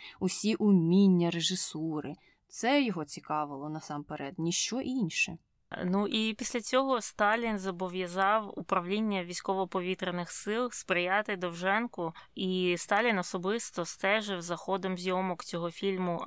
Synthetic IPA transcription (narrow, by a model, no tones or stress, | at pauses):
ʊsʲiʔʊmʲinʲːɐɾeʒɪsuɾɪ | t̪sɛjɔɦɔt͡sʲikɑʋɪlˠɔnɐsɑmpeɾɛd̪nʲiʃt͡ʃɔʔinʲʃɛ | nuʔipʲisʲlʲɐt͡sʲɔɦɔst̪ɑlʲinzɐbɔʋʲjɐzɑwupɾɐwlʲinʲːɐʋʲisʲkɔʋɔpɔʋʲit̪ɾenɪxsɪlˠspɾɪjɑt̪ɪd̪ɔwʒɛnkʊist̪ɑlʲinɔsɔbɪst̪ɔst̪ɛʒɪwzɐxɔd̪ɔmzʲjɔmɔkt͡sʲɔɦɔfʲilʲmʊ